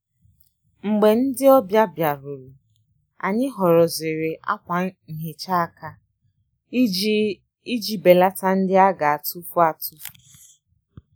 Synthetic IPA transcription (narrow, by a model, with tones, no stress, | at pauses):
ŋ͡m̩˨ɡ͡be˨n̩˦dɪ˦ɔ˦bja˦bja˨ɾu˨lu˨ | a̰˨ɲɪ˦ɦɔ˨ɾɔ˨zɪ˨ɾe˨ʔa̰˦kʷa˨ŋ̩˨ɦe˨t͡ʃa˦˨ka˦ | i˦d͡ʒi˨be˨la˦ta˦n̩˦dɪ˦a˦ɡa˨a˨tu˦fu˦a˨tu˦f